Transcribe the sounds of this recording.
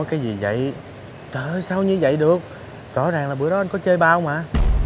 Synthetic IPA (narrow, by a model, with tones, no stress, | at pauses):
jkaː˨˦jzi˨˩və̰˧˨j | t͡ɕəː˨˩˨saː˧wɲɨ˧və̰˧˨jɗɨ˨˩ək̚ | zɔ̰˧˥zaː˨˩ŋlaː˨˩ɓəɗɔ˨˦ʔa˧n̟kɔ˨˦t͡ɕəː˧jɓaː˧wŋ͡maː˨˧˨